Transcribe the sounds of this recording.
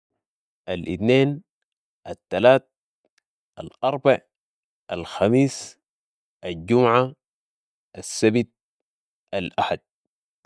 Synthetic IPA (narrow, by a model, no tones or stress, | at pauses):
ʔalʔit̪neːn | ʔat̪ːalaːt̪̚ | ʔalʔɑɾˤbaʕ | ʔalxamiːs | ʔalɟumʕa | ʔasːabit̪̚ | alʔaħad̪̚